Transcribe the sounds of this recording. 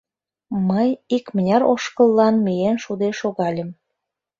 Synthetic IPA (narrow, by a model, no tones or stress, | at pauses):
məjikmənʲɑɾoʃkəlˠːɑnmijenʃud̪eʃoɣɑlʲə̆m